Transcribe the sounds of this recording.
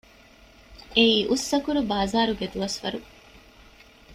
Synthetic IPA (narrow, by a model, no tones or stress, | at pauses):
eiːʔusːɐkuɾubaːzaːɾuɡed̪uʋɐsʋɐ̰ɾu